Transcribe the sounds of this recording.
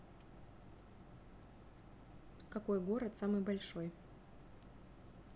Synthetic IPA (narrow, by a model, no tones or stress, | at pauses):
kakojɡoɾɐt̪samɨjbalʲʂoj